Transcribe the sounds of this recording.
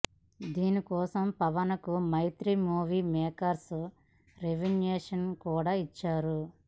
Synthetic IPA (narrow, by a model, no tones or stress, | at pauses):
d̪iːnikɔːsɐmpɐʋɐnɐkumɐjt̪ɾimuːʋiːmɛːkɐɾsu | ɾeʋinjeːʂɐnkuːɽaːit͡ʃːaːɾu